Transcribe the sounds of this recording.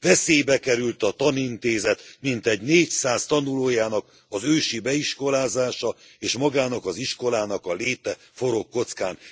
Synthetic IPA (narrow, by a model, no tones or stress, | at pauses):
vɛseːjbɛkɛɾylt̪ɒt̪ɒnint̪eːzɛt̪mint̪ɛɟneːcsaːst̪ɒnuloːjaːnɒk | ɒzøːʃibɛiʃko̞laːzaːʃɒ | eːʃmɒɡaːnɒkɒziʃko̞laːnɒkɒleːt̪ɛ | fo̞ɾo̞kːo̞t̪skaːn